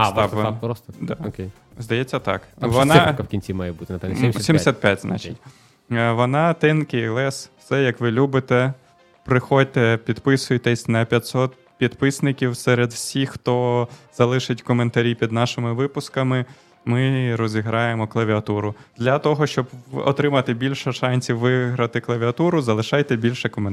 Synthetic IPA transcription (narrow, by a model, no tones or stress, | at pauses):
t̪ɑɾɔst̪d̪ɑɔkʲej | zd̪ɐjet͡sʲːɐt̪ɑ̰kʋɔnkɐwkʲinʲt͡sʲimɑjɛbut̪ɪnɐpɛsmsʲimsʲat̪̚pʲjatʲznʔɑ̰t͡ʃɪtʲ | ʋɔnɑt̪ɪnkɪjlˠɛsfsɛjɐkʋɪlʲubɪt̪ɛ | pɾɪxɔd̚ʲt̪ɛpʲid̪pɪsʊjet̪ɛsʲnɛpʲjɐt̪ʲsɔt̪ | pʲid̪pɪsnɪkʲiwsɛɾed̪wsʲixxt̪ɔz̥ɐlˠɪʃɪtʲkɔment̪ɐɾʲipʲid̪nɑʃɪmɪʋɪpʊskɐmɪ | mɪɾɔzʲiɦɾɑjemɔklˠɐʋʲiɐt̪uɾʊd̪̥lʲɐt̪ɔɦɔʃt͡ʃɔbɔ̰t̪ɾɪmɐt̪ɪbʲilʲʃɛʃɑnʲsʲiʋɪɦɾɐt̪ɪklˠɐʋʲiɐt̪uɾʊzɐlˠɪʃɑjt̪ɛbʲilʲʃɛkɔmn